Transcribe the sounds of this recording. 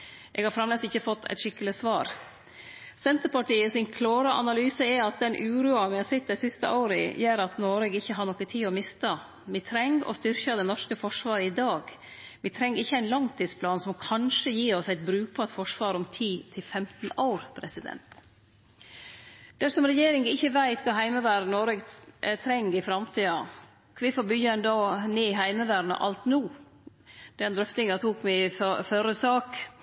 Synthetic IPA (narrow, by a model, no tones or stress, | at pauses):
ʔɛ̰ɡhɑɾfɾɑmleːsɪçːəfɔt̪ʰːɛ̰t̪ʂɪkːələsʋɑːɾ | sɛnt̪əɾpɑʈiːəsɪnkʰloːɾəʔɑ̰nɑlyːsəɛɑt̪̚d̪ɛnʔʉːɾuːɑʋɪhɑsɪt̪̚ːd̪æɪsɪst̪ə̰ʔaʊɾə̰jøːɾɑt̪noːɾɛɡɪçːəɦɑɳɔkːət̪ʰiːɔmɪst̪ə | ʋɪt̪ʰɾɛŋɔ̰st̪ʏɾçəd̪ɛnɔʂkəfɔʂʋɑːɾəɪd̪ɑːɡ | ʋɪt̪ʰɾɛŋːɾɪçːəæɪnlɑŋt̪ʰiːd̪spʰlɑːnsɔmkʰɑnʂəjiːɔsæɪt̪̚bɾʉːk̚pʰɔɛt̪fɔʂʋɑːɾɔmt̪ʰiːt̪ʰɪlfɛmt̪n̩ɑʊɾpʰɾɛsɪd̪ɛ̰nt̪ | d̪̥æʂɔmɾɛjeːɾɪŋɪçːəʋæɪt̪kʰɑːɦæɪməʋæːɾnoːɾɛɡt̪ʰɾɛŋɡɪfɾɑmt̪ʰiːɑ | kʰʋɪfoːbʏjəɛnd̪ɑːneːɪɦæɪməʋæːɾnə̰ʔɑ̰lt̪nuː | d̪̥ɛnd̪ɾœft̪ɪŋɑt̪ʰuːkmæffœɾəsɑːk